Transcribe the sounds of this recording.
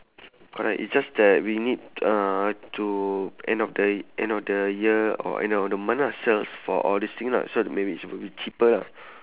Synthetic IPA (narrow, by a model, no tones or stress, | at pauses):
kʰɔɹɛ̰kḭtsd͡ʒasdɛt̚winid̚ãtʰuʔɛ̃ndɔfdəʔɛ̰̃ndɔfdəjiəɔ̰ʔɛ̰̃nɔfdəmãnasɛlsfɔ̰ʔɔldist̪ĩŋla̰somebiːtswibit͡ʃʰipəla̰